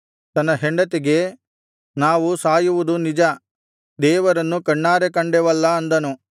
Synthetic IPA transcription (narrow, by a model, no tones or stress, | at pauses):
t̪ɐnːɐɦeɳɖɐt̪eɡe̞ | naːʋusaːjuʋud̪unid͡ʒɐ | d̪ɛːʋɐɾɐnːukɐɳːaːɾekɐɳɖɛʋɐlːɐːnd̪ɐnu